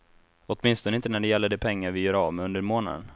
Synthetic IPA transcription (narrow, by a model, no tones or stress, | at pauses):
ɔt̪mɪnst̪ɔnəɪnt̪ənæɖɛjɛlːəɖɛpʰɛŋːaɾvɪjœːɾavmɛɵnd̪əɾmoːna̰d̪ə̰n